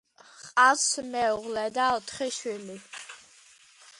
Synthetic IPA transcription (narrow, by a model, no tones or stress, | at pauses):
χqʼasmɛuʁlɛd̪aɔt̪ʰχiʃwili